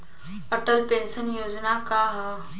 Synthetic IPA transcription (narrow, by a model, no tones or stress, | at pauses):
əʈəlpẽːnsənjoːd͡ʒnakaɦɛ